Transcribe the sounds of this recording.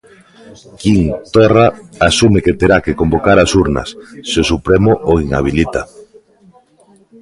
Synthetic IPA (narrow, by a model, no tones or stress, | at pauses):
kiŋt̪ɔraasumeket̪eɾakekombokaɾasuɾna̰sːeosupɾemʊʔoiŋa̰β̞ilit̪a